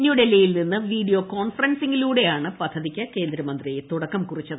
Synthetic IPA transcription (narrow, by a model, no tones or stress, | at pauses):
njuːɽelːɐjilninːɨʋiːɖijo̞ːko̞ːɳfɐrɐnsiŋɡiluːɽe̞jaːɳɨpɐd̪ʱːɐðikʲːɐke̞ːnd̪ɾɐmɐnd̪rijet̪uɽɐkːɐmkurit͡ɕːɐðɨ